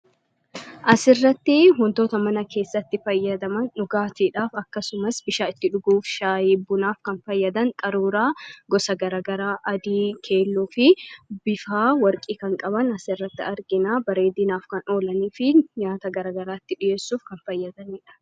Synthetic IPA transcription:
ʔɐsɪrːɐt̪ːɪɦʊnt̪o̞ːt̪ɐmɐnɐke̞ːsːɐt̪ːɪfɐjːɐd̪ɐmɐnᶑʊɡaːt̪iːᶑaːfɐkːɐsʊmɐsbɪʃaːɪt̪ːɪᶑʊɡuːfʃaːjɪbːʊnaːfkɐnfɐjːɐd̪ɐŋkʼɐɾuːɾaːɡɔsɐɡɐɾaːɡɐɾaːʔɐd̪iːkʰe̞ːlːuːfɪbɪfaːwɐɾkʼiːkɐŋkʼɐbɐnɐsɪrːɐt̪ːɪɐɾɡɪnaːbɐɾe̞ːd̪ɪnaːfkɐno̞ːlɐniːfɪɲaːt̪ɐɡɐɾaːɡɐɾaːɪt̪ːɪᶑɪje̞ːsːuːfkɐnfɐjːɐd̪ɐniːᶑɐ̥

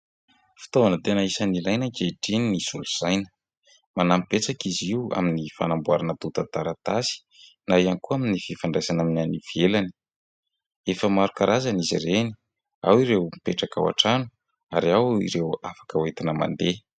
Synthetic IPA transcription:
fi̥t̪ovanət̪enəisənilajnəkeʈ͡ʂininizuluz̥ajnə̥ | manampet͡sakiziwa̰minifa̰nambuaɾanət̪ut̪at̪aɾat̪asi̥ | naiankuaminififaɳɖ͡ʐajsanaminianivielani̥ | efəmaɾukaɾʔazanizḭreni̥ | awiɾewmipeʈ͡ʂaka̰wa̰ʈ͡ʂanu | aɾiawḭɾewafḁkəwet̪inəma̰nd̪e

